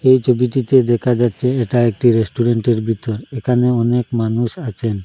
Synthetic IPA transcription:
ejt͡ʃobiʈit̪ed̪ɛkʰad͡ʒatt͡ʃɛːʈaek̚ʈiɾesʈuɾeɳʈeɾbʱit̪ɔɾɛkʰaneɔnekmanusat͡ʃʰɛn

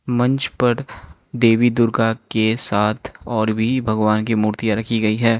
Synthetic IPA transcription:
mɐ̃ɲt͡ʃpɐɾ | d̪eːʋid̪ʊɾɡakesaːt̪ʰɔːɾbʱibʱɐɡʋaːnkimuːɾt̪ijaɾɐkʰiɡɐiɦɛː

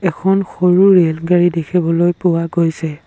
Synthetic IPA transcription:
ɛkʰɔnxoɹuɹelɡaɹidekʰibɔlojpʊwaɡojsɛ

